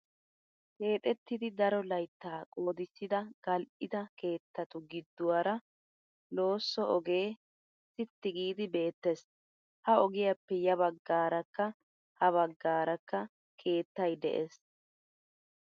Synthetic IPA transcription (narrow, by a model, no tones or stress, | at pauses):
ke̞ːt̪ʼɛt̪ːɪd̪ɪd̪ɐɾɔlɐjt̪ːaːkʼo̞ːd̪ɪsːɪd̪ɐɡ̥ɐlʔɪd̪ɐke̞ːt̪ːɐt̪ʊɡɪd̪ːʊwɐɾɐ | lo̞ːsːɔʔɔɡe̞ː | sɪt̪ːɪɡiːd̪ɪbe̞ːt̪ːɛs | hɐɔɡɪjɐpːɛjɐbɐɡːaːɾɐkːɐ | hɐβɐɡːaːɾɐkːɐ | kʰe̞ːt̪ːɐjd̪ɛ̰ʔes